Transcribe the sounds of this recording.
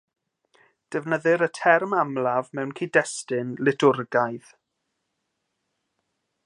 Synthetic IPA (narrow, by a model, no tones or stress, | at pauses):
d̥ɛvnəðɨɾətʰɛrmamlavmɛwnkʰiːdɛstɪnlɪtʰʊrɡajð